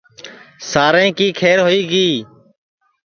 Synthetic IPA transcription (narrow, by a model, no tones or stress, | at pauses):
saːɾẽːkiːkʰeːɾɦoːiːɡiː